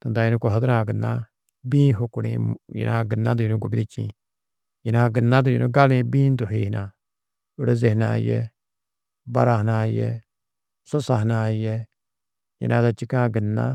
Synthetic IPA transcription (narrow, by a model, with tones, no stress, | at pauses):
t̪ɐ˨nd̪a˨˦ji˦nu˦ko˨ɦɐ˦d̪ɾãː˨ɡə˨nːa̰˦ | bĩː˦ɦo˧ku˨ɽḛ̃jḭ˨nʔa˧ɡə˨nːã˦d̪u˨ji˨nũ˦ɡu˨ɡɾi˦t͡ʃḭ̃˨ | ji˨nã˧ɡə˨nːã˦d̪̬u˨jḭ˨nu˦ɡa˦lẽː˧bĩː˦nd̪u˨ɦe˨ɦna˨ | u˦ɽe˦ze˨ɦna̰ː˨jḛ˦ | ba˨ɾa˨ɦnaː˧je˨ | so˦sa˨ɦna˨je˨ | jḭ˨nãː˦d̪a˨t͡ʃi˦kãː˦ɡə˨nːa̰˦